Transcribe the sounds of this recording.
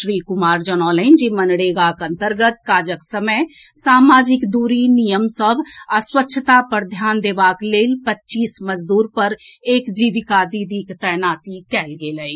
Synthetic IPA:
ʃɾiːkʊmaːɾd͡ʒənɔːləɪnd͡ʒimənɽeːɡakə̃nt̪əɾɡət̪̚kaːd͡ʒəksəməjsaːmaːd͡ʒɪkd̪uːɾinijəmsəbʱəswətːʃʰət̪apəɾd̪ʱjaːnd̪eːbaːkleːlpətːt͡ʃiːsməd͡ʒd̪uːɾpəɾeːkd͡ʒiːʋɪkad̪id̪ikt̪ɛnaːt̪ikɛːlɡeːləi

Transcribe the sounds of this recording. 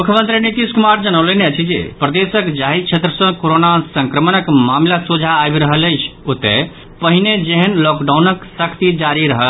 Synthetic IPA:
mukʰjəmə̃nt̪ɾinit̪iskumaɾd͡ʒənəwleneət͡ʃʰid͡ʒḛpɾəd̪esəkd͡ʒaɦit͡ʃʰet̪ɾəsə̃koɾonasəŋkɾəmənəkmamlasud͡ʒʱaːbɾəɦələjt͡ʃʰot̪ḛ | pəɦined͡ʒeɦənlɔkɖaunəksəkʰt̪id͡ʒaɾiɾəɦəl

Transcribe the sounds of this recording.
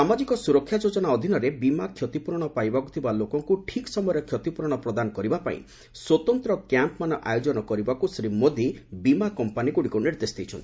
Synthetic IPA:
samad͡ʒikɔsuɾɔkʰːjad͡ʒod͡ʒɔnaɔd̪ʱinɔɾebimakʰjɔt̪ipuɾɔɽ̃ɔpajbakut̪ʰibalokɔŋkuʈʰiksɔmɔjɔɾɔkʰjɔt̪ipuɾɔɽ̃ɔpɾɔd̪anɔkɔɾibapa̰ḭ̃ | swɔt̪ɔnt̪ɾɔkjampmanɔʔajod͡ʒɔnɔkɔɾibakusɾimod̪ʱibimakɔmpanikuɽikuniɾd̪esd̪ijt͡ʃʰɔnt̪ʰi

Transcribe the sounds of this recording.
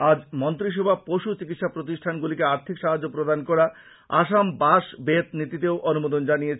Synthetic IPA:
ad͡ʑmont̪ɾiʃ̬ɔbʱapoʃut͡ɕikit̪ʃapɾot̪̬iʃʈʰanɡulikeaɾt̪ʰikʃaɦad͡ʑːopɾod̪ankɔɾa | a̰ʃambaʃbet̪nit̪it̪eoʔonumod̪ond͡ʑanijet͡ɕʰ

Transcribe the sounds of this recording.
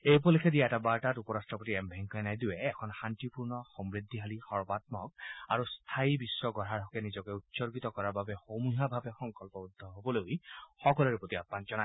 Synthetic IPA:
ejpɔlekʰɛdiaɛtabaɹtatupɔɹastɹɔpotiɛmbʱɛŋkɔjnajduwɛɛkʰɔnxantipuɹnɔxɔmɹid̪ʱːiɦalixɔɹbat̪̚mɔkaɹust̪ʰaibisɹɔɡɔɹaɹɦɔkɛnizɔkɛutsɔɹɡit̪ɔkɔɹaɹbabɛxomuɦabʱabɛxɔŋkɔlpɔud̪ʱːɔɦobɔlojxɔkɔlɔɹɛpotiapːanzɔna

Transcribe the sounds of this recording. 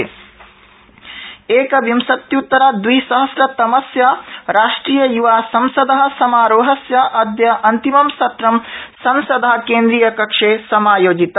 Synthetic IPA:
eːkɐʋimsɐt̪jut̪ːɐɾaːd̪ʋisɐɦɐsɾɐt̪ɐmɐsjaːɾaːʂʈɾiːjɐjuʋaːsɐmsɐd̪ɐɦɐ̆sɐmaːɾoːɦɐsjɐʔɐd̪jɐʔɐnt̪imɐmsɐt̪ɾɐmsɐmsɐd̪ɐɦɐ̆keːnd̪ɾijɐkɐkʂeːsɐmaːjoːd͡ʒit̪ɐ

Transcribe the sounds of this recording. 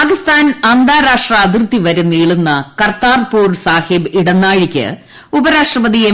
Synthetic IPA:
aːkist̪ʰaːnɐnd̪aːɾaːʂʈrɐːd̪irt̪ːiʋɐɾunːiːɭunːɐkɐrt̪aːrpuːrsaːhibiɽɐnːaːɻikʲːɨ̰ | ubɐɾaːʂʈrɐʋɐd̪ije

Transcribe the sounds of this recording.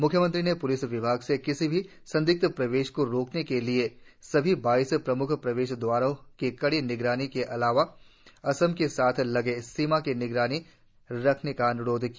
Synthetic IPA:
mʊkʰjəmə̃nt̪ɾinepʊlɪsʋɪbʱaːɡsekɪsibʱi | sɐ̃nd̪ɪk̚t̪pɾɐʋeːʃkoɾoːknekeliesɐbʱibaːɪspɾɐmʊkʰpɾɐʋeːʃd̪ʋaːɾõkekɐɽinɪɡɾaːnikeʔɐlaːʋa | ɐsəmkesaːt̪ʰlɐɡesːiːmakenɪɡɾaːni | ɾɐkʰnekaɐnʊɽoːd̪ʱki

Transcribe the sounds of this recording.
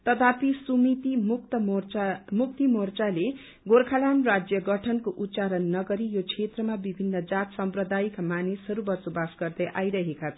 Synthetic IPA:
t̪ʌd̪apisumit̪imut̪ʌ | muk̚t̪imort͡sale | ɡorkʰalamrad͡zjʌɡʌʈʰʌnkoʔut̪ːt͡saɾʌnːʌɡʌɾijokʰet̪rʌmabibʱinːʌd͡zat̪sʌmprʌd̪ajikamanisɦʌɾubʌt͡sobasɡʌrd̪ʌjʔajɾʌɦekat͡sʰʌ

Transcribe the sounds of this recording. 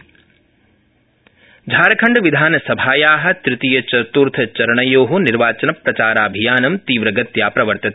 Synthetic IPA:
d͡ʒʱaːɾɐkʰɐɳɖʋid̪ʱaːnɐsɐbʱaːjaːɦɐ̆t̪ɾɪt̪ijɐt͡ʃɐt̪uɾt̪ʰɐt͡ʃɐɾɐɳɐjoːɦuniɾʋaːt͡ʃɐnɐpɾɐt͡ʃaːɾaːbʱijaːnɐmt̪iːʋɾɐɡɐt̪jaːpɾɐʋɐɾt̪ɐt̪ʰ

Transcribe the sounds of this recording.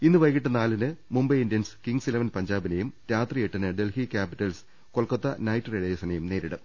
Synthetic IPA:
inːɨʋɐjkːiʈːɐnaːlɨnɨmumbɐjindijɐnskiŋɡsilɐʋɐnpɐɲd͡ʑaːbinejumɾaːt̪rijeʈːɐnɨɖe̞lhikʲaːpiʈːɐls | kolkɐt̪ːɐnɐjtːreɻɐjɐsɐnɐjumne̞ːɾiɽɨm

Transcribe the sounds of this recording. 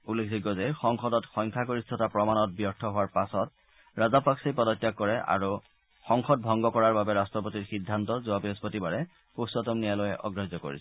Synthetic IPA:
ulːekʰziɡɔzɛxɔŋxɔdɔtxɔjŋkʰakoɹistʰɔtapɹɔmanɔt̚bjɔɹtʰɔɦʊwaɹpasɔt̚ | ɹazapaksejpɔdɔtːjakːɔɹɛʔa̰ɹu | xɔŋxɔt̚bʱɔŋɡɔkɔɹaɹbabɛɹastɹɔp̬otiɹxidʱːantɔzuabiɔspotibaɹɛ | pusɔtɔmnijalojɛʔɔ̰ɡɹazɔko̰ɹḭsɛ̥

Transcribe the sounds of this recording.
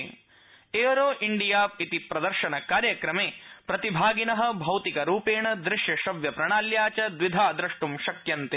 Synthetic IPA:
eːɾoːʔiɳɖijaːp̚it̪ipɾɐd̪ɐɾʃɐnɐkaːɾjɐkɾɐmeːpɾɐt̪ibʱaːɡinɐɦɐ̆bʱɐwt̪ikɐɾuːpeːɳɐd̪ɾɪʃjɐʃɐʋjɐpɾɐɳaːljaːt͡ʃɐd̪ʋid̪ʱaːd̪ɾɐʂʈumʃɐkjɐnt̪e

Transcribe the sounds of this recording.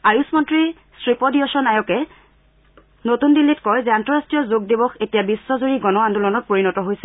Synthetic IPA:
ajusmɔntɹi | stɹipɔdiɔsɔnajɔkɛ | notundilːitkɔjzɛantɹɔɹastɹijɔzoɡ̚dibɔxetijabisːɔzuɹiɡɔnɔandulɔnɔt̚poɹinɔtɔɦojsɛ

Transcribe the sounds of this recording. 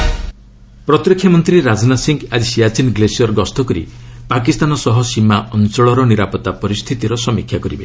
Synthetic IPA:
pɾɔt̪ɾikʰːjamɔnt̪ɾiɾad͡ʒnasiŋɡad͡ʒisijat͡ʃinɡlesiɔɾɡɔst̪ʰɔkɔɾḭpakist̪anɔsɔɦɔsimaʔɔnt͡ʃɔɭɔɾɔniɾapɔt̪apɔɾist̪ʰit̪iɾɔsɔmikʰjakɔɾibe

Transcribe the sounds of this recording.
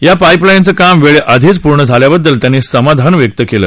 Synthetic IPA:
japajplajnt͡səkamʋeɭeʔəd̪ʱiːt͡spuɾɳəd͡zʱaljabəd̪ːəlt̪janːiːsəmad̪ʱanʋjək̚t̪əkelə̰ː

